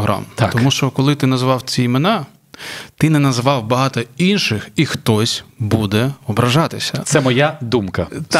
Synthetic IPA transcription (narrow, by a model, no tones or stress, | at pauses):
ɦɾʔɑ̰mt̪ɔmuʃt͡ʃɔkɔlˠɪt̪ɪnɐzʋɑwt͡sʲiimenɑ | t̪ɪnɛnɐzʋɑwbɐɦɑt̪ɔinʃɪxixt̪ɔsʲbud̪ɛɔbɾɐʒɑt̪ɪsʲɐ̰sɛmɔjad̪umkɐ